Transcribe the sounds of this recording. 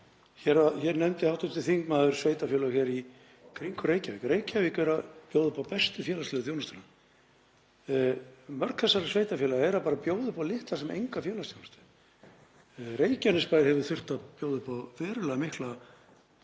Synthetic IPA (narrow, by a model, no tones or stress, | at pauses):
çɛɾaçɛɾnɛmt̪ɪhawt̪ʏt̪ɪlθiŋkmaːðʏɾ̥svejt̪afjɛlaçɛɾi | kʰɾiŋkʏɾeːjcavikɾeːjcavɪkɛɾapjoːwðʏpawpɛst̪ʏfjɛːlast̪ɛːðʏθ̬joːwnast̪ʏna | mœɾ̥kθɛsːaɾasveːjt̪afjɛlaɣɛɾapaːɾapjoːwðʏpawlɪht̪lasɛmʔḛjŋkafjɛːlast̪jownast̪ɪ | reːjcanɪspajɾ̥hɛvʏɾθʏr̥t̪apjoːwðʏpawvɛːɾʏlɛɣamɪhkla